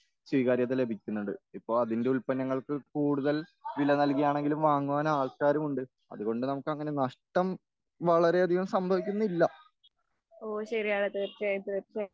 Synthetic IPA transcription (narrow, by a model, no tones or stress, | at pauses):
swiːɣaːɾjɐt̪̬ːile̞bʱikʲːunːuɳɖɨipːo̞ːɭɐðinde̞ulpɐnːɐŋːɐɭkɨkuːɽuðɐlʋilɐnɐlkijaːɳe̞ŋɡilumʋaːŋːuʋaːnaːɭkaːɾɐmuɳɖɨ | ɐ̰ðuɣo̞ɳɖɨnɐmukːɨɐŋːɐne̞nɐʂʈɐm | ʋɐɭɐɾe̞ɐd̪ʱiɣɐmsɐmbʱɐʋikʲːunːuilːɐ | oːɕɐɾijaːɽet̪et͡ɕaːjt̪ːɨept͡ɕa